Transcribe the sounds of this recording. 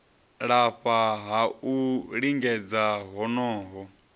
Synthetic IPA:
ɺaɸaɦauɺiŋɡɛd͡zaɦɔnɔːɦɔ

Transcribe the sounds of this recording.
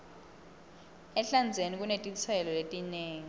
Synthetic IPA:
ɛɬand͡zʱenik̬ʼunetʼit͡sʰɛlɔletʼineːŋi

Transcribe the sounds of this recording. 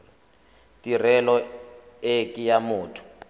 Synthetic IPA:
tʼir̤ɛlɔ | ekʼijamuːtʰu̥

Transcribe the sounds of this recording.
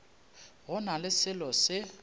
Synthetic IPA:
ɣʊnalɪsɪlɔsɪ

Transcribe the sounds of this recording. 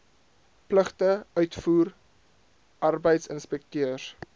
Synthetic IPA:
pləχtəœɥtfuːr | ʔɐrbəjtsənspɛk̚tøər

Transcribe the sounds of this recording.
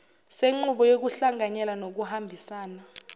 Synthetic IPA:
seŋ͡ǃuɓɔjok̬uɬaŋaɲɛlanok̬uhambʱisaːna

